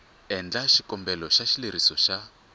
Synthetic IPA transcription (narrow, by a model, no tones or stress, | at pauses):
ɛnd͡ɮaʃikɔmbɛlɔʃaʃileɾisɔʃa